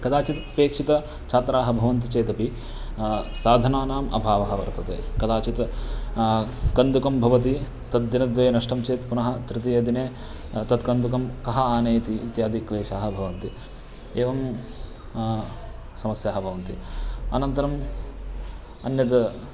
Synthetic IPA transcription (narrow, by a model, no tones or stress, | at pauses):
kɐd̪aːt͡ʃit̪peːkʂit̪ɐ | t͡ʃʰaːt̪ɾaːɦɐbʱɐʋɐnt̪it͡ʃeːt̪ɐpi | saːd̪ʱɐnaːnaːmɐ̰bʱaːʋɐɦɐʋɐ̰ɾt̪ɐt̪ḛːkɐd̪aːt͡ʃit̪ | kɐnd̪ukɐmbʱɐʋɐt̪̬i | t̪ɐd̪̚ːɐnɐd̪ʋɐjnɐʂʈɐmt͡ʃeːt̪punɐɦɐ̆t̪ɾɪt̪ijɐd̪ineː | t̪ɐt̪kɐnd̪ukɐmkɐɦɐaːneːt̪iːt̪jaːd̪ʱikʋeːʃaːɦɐbʱɐʋɐnt̪i | eːʋɐm | sɐmɐsjaːɦɐbʱɐʋɐnt̪iɐ̰nɐnt̪ɐɾɐm | ɐ̰njɐd̪